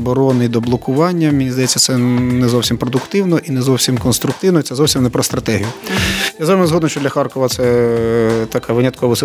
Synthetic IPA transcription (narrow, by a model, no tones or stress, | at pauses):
bɔɾɔnɪd̪ɔblˠɔkʊʋɑnʲːɐmʲɪnʲizd̪ɐjɛtt͡sʲːɐt̪sɛnɛzɔwsʲimpɾɔd̪ʊkt̪ɪwnɔʔinɛzɔwsʲimkɔnst̪ɾʊk̚t̪ɪwnɔit̪sɛzɔwsʲimnɛpɾɔst̪ɾɐt̪ɛɦijʊjazʋɑmɪzɦɔd̪nʊʃt͡ʃɔd̪lʲɐxɑrkɔʋɐt̪sɛ | t̪ɐkʰaʋɪnʲɐt̪̚kʰɔʋɔs